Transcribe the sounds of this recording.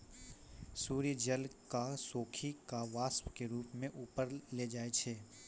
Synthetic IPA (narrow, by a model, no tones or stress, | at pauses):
suːɾid͡ʒəlkasoːkʰikaʋaːspkeɾuːpmẽʔuːpəɾled͡ʒaːet͡ʃʰeː